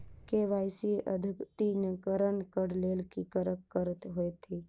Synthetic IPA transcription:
keʋaːjsiʔəd̪ʱɪkt̪inəkəɾəɳkəɽleːlkikəɾəkkəɾət̪ɦoet̪ʰi

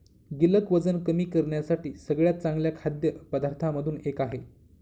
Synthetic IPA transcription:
ɡiləkʋəd͡zənkəmiːkəɾɳjasaʈiːsəɡɭjat̪̚t͡sãŋɡljakʰad̪jəpəd̪aɾt̪ʰaməd̪ʱuːnekaɦe

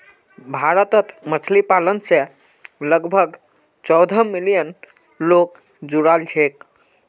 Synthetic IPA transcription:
bʱaɾət̪ət̪mət͡ʃʰlipalənsẽ | ləɡbʱəɡ | t͡ʃɔwd̪ʱəmilijən | lok | d͡ʒuɾald͡ʒʰʱek

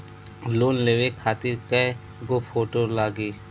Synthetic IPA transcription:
loːnleːʋekʰaːt̪ɪɾke | ɡopʰoːʈoːlaːɡiː

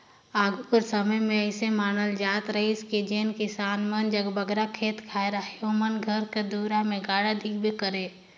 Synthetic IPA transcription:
aːɡʱukəɾsəməjmẽəɪsemaːnəld͡ʒaːt̪ɾəɦiskid͡ʒeːnkisaːnmənd͡ʒəɡbəɡɾakʰeːt̪kʰaːeɾaɦijomənɡʱəɾked̪uːɾamẽɡaːɽad̪ʱikbʱikəɾe

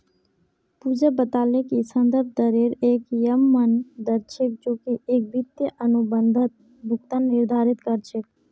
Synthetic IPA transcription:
puːd͡ʒabət̪aːlekisənd̪əɾb̚ʱd̪əɾeɾeːkjəmːənd̪əɾt͡ʃʰek̚d͡ʒoːkiʔeːk̚bit̪jəʔənubənd̪ʱət̪̚ | bʱʊkt̪aːnːɪɾd̪ʱaːɾɪt̪kəɾt͡ʃʰek̚

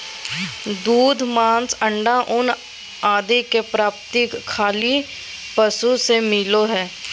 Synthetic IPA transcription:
d̪uːd̪ʱmãːnsə̃ɳɖaʔʊn | aːd̪ekepɾaːp̚t̪ɪkʰːaːli | pəsusemɪloɦɛː

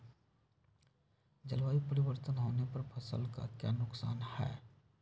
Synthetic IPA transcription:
d͡ʒəlʋaːipəɾɪwəɾt̪ənɦoːnepɐɾpʰəsə̰lka̰kja̰nʊksaːnhɛ̰ː

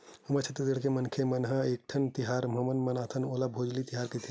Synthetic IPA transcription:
humət͡ʃʰɐt̪d̪eɽkemɐnkʰemɐnɦəeːk̚ʈʰɐnt̪iɦaːɾmɐmənmɐnaːt̪ʰənoːlabʱoːd͡ʒlit̪iɦaːɾket̪ʰi

